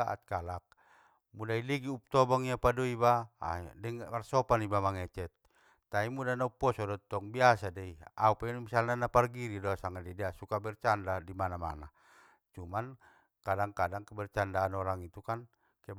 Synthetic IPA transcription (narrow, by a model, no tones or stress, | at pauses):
aʔa̰t̪̚kalak̚ | mudailiɡiup̚t̪ɔbɔŋiapadɔiba̰dɛŋmarsɔpanibamaŋɛt͡ʃɛt̪̚ː | aimudanaupːɔsɔdɔt̪ːɔŋbiasadɛiaupɛnmisalnanaparɡiɾidɔsaŋadɛdiasukabɛrt͡ʃandadimanama̰na | t͡ʃuman | kadaŋkadaŋkɛbɛrt͡ʃandaːnɔɾaŋit̪ukan | kɛ